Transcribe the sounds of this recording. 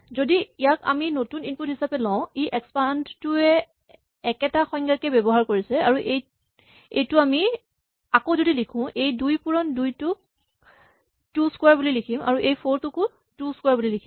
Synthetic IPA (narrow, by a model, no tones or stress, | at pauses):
zodiijaka̰minotuninput̚hisapɛlɔ̃ʊ̃iʔɛkspandtʊɛ | ɛkɛtaxɔjŋɡakɛbɛbɔɦaɹkoɹisɛaɹuʔej | ḛjtʊami | akozodilikʰʊ̃ʔejdujpuɹɔndujtʊk̚ | tuskwaɹbulilikʰima̰ɹuʔejpʰoɹtʊkʊ | tuskwaɹbulilikʰim